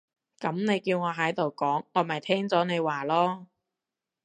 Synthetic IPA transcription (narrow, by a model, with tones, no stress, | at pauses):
kɐ˨˥mne˨˧jkiː˧wŋɔː˨˧ɦɐ˨˥jt̪o˨wkɔː˨˥ŋːɔː˨˧mɐ˨˩jt̪ʰɛː˥ŋt͡sɔː˨˥ne˨˧jwaː˨˩lɔː˥